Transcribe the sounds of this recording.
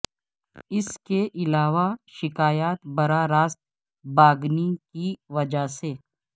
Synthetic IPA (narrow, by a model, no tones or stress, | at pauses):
ɪskeʔɪlaːʋaʃɪkaːjaːt̪bɐɾaɾaːst̪ | baːɡnikiʋɐd͡ʒaseː